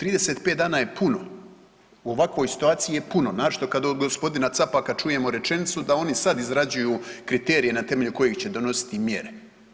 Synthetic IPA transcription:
t̪ɾiːd̪e̞set̪pet̪d̪aːnaːjepuno̞ | uo̞ʋakʋo̞ːjsi̥t̪uaːt̪sijijepuno̞naːʃt̪o̞kad̪od̪ɡospo̞d̪inat̪sapakat͡ʃuje̞moɾe̞t͡ʃe̞nit̪sud̪ao̞nisad̪izɾad͡ʑujuːkɾit̪eːɾije̞nat̪e̞me̞ʎuko̞jeɡt͡ɕe̞d̪o̞no̞si̥t̪imje̞̰ɾe

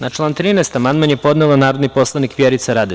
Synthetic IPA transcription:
nat͡ʃlˠaːnt̪ɾiːnest̪amand̪manjepo̞d̪nelanaːɾod̪nipo̞slˠanikʋjeɾit̪saɾad̪e

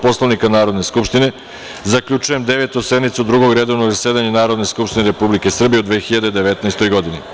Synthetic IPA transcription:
po̞slˠoʋnikanaːɾo̞d̪ne̞skupʃt̪ine̞ | zakʎut͡ʃujemd̪eʋet̪used̪mit̪sud̪ɾuɡoɡɾe̞d̪oʋnoɾaseːd̪aɲenaːɾo̞d̪ne̞skupʃt̪ineɾepublike̞sr̩bije̞ud̪ʋeːxiʎad̪ed̪eʋet̪naest̪o̞jɡo̞d̪ini

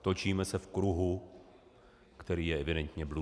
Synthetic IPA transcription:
t̪o̞t͡ʃiːmɛsɛfkɾuɦu | kt̪ɛɾiːjɛɛvɪdɛnt̪ɲɛblu

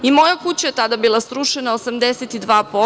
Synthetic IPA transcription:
imo̞jakut͡ɕajet̪ad̪abilˠasɾuʃenaosamd̪eset̪id̪ʋaːpo

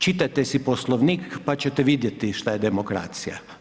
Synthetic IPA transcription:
t͡ʃit̪ajt̪esiposlˠoʋnikpat͡ɕet̪ɛʋid̪jet̪iʃt̪ajed̪emokɾa̰ːt̪sija̰

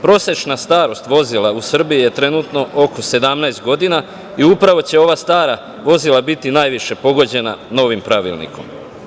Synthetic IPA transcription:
pɾo̞se̞t͡ʃnast̪aːɾo̞st̪ʋo̞zilˠausr̩bijije̞t̪ɾe̞nut̪no̞ʔoko̞se̞d̪amnaest̪̚ɡo̞d̪ina | iupɾaʋo̞t͡ɕe̞o̞ʋast̪aːɾa | ʋo̞zilabit̪inaːjʋiʃe̞po̞ɡo̞d͡ʑe̞nano̞ʋimpɾaʋḭlnḭko̞̰m

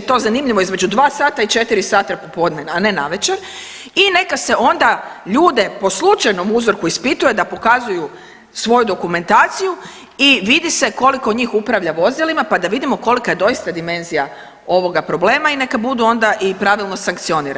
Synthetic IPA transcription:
t̪o̞ːzanimʎiʋoizme̞d͡ʒud̪ʋaːsaːt̪ait͡ʃe̞t̪iɾisaːt̪apopo̞d̪nenane̞naʋe̞t͡ʃeɾ | ine̞kase̞ʔo̞nd̪aʎuːd̪e̞po̞slˠut͡ʃajno̞muzoɾkuispit̪uje̞d̪apo̞kazuju | sʋo̞jud̪o̞kume̞nt̪aːt̪siju | iʋid̪ise̞ko̞likod̪ɲiːxupɾaʋʎaʋo̞zilimapad̪aʋid̪imoko̞likaje̞d̪o̞jist̪ad̪ime̞nzija | o̞ʋo̞ɡapɾo̞ble̞ːmaine̞kabud̪uo̞nd̪aʔipɾaʋilˠno̞saŋkt̪sio̞niːɾa

